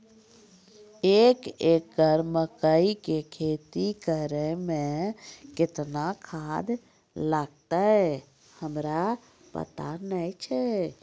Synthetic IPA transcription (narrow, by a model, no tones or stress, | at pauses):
eːkeːk̚ɡəɾməkəikekʰeːt̪ikəɾemẽkɪt̪nakʰad̪ | ləɡ̚t̪aɦɛ | həmɾa | pə̰t̪a̰nəjt͡ʃʰɛ